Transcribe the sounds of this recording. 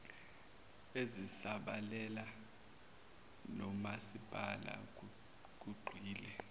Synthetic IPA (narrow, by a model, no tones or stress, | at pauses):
ezisaɓalɛla | nɔmasib̥ʱala̰ | k̬uɡ͡ǃʱwiːlɛ